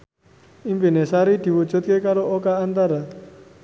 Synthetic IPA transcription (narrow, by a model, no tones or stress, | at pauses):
impinesaɾid̪̥i̤wud̥ʒ̥ṳt̪̚kekaɾookaːnt̪aɾa